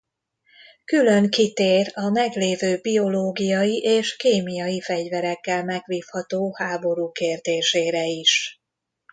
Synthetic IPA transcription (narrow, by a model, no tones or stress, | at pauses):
kylø̞ŋkit̪eːrɒmɛɡleːvøːbio̞loːɡijɒjiʔeːʃkeːmijɒjifɛɟvɛɾɛkːɛlmɛɡʋiːfhɒt̪oːhaːbo̞ɾuːkeːrd̪eːʃeːɾɛiʃ